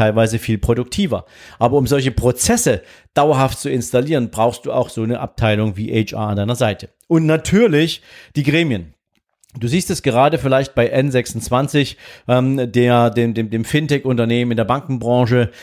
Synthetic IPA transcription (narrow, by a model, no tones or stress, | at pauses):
aɪlvaɪzəfiːlpʁ̥odʊk̚tʰiːvɐʔaːbɐʊmzɔlç̬əpʁ̥ot͡sɛsə | d̥aʊɐɦaftt͡suɪnstaliːʁ̞ənbʁaʊxstd̥uːa̰ʊxtz̥oːnəʔa̰p̚tʰaɪlʊŋviːʔɛt͡ʃʔa̰ːandaɪnɐzaɪtʰə | ʔʊntnatʰyːɐlɪçd̥iːɡʁeːmjən | d̥uːziːstɛsɡ̥əʁ̞aːdəfɪlaɪçt̚b̥aɪʔɛnzɛksʊnt͡sv̥ant͡sɪçʔɛmdeːɐdeːmdeːmdeːmfɪntɛkʊntɐneːmənmɪndeːɐbaŋkŋ̩bʁɑ̃ŋʃə